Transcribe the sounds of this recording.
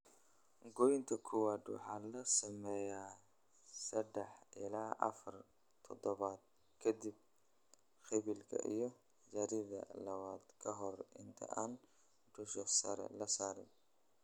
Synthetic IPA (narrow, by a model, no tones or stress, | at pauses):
ɡɔjnt̪ʰɐkʰʊwaːd̪wɑ̰ħɑːlɐsɐmɛjaː | sɐd̪ɛħʔɪlaːʔɐ̰fɐr | t̪ʰɔd̪ɔβaːd̪̚ | kʰɐd̪ib̚ | xɪβɪlkʰɐ̰ʔḭjɞ | d͡ʒɐɾiðɐ̰lɐβaːd̪kʰɐɦɔrɪnt̪ʰɐ̰ʔaːn | ɖʊʃɔsɐ̰ɾɛ̰lɐsaːɾɪn